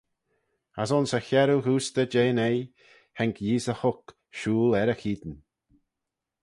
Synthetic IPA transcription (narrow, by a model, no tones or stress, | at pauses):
asɔnsəçɛɾuhuːst̪əd͡ʒeːnej | hɛŋkʰjiːzəhʊk | ʃuːlɛɾəxiːd̪n